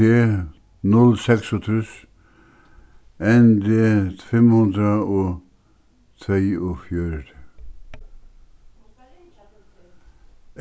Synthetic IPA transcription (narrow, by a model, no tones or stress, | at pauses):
e | nɔlsɛksɔt̪ʰʉːs | ɛnd̪əfɛmhʉnd̪ɾəoː | t̪ʰɾeːofjøːɾəɾə